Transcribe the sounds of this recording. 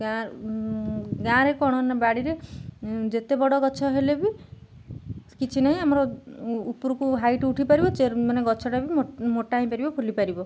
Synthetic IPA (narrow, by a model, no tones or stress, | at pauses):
ɡa | ɡãɾekɔɽ̃ɔnabaɽiɾe | d͡ʒet̪ebɔɽɔɡɔt͡ʃʰɔɦelebi | kit͡ʃʰinaɦĩamɔɾɔupɾukuɦajʈuʈʰipaɾibɔt͡ʃemaneɡɔt͡ʃʰɔʈabimmoʈaɦĩpaɾibɔpʰulipaɾibɔ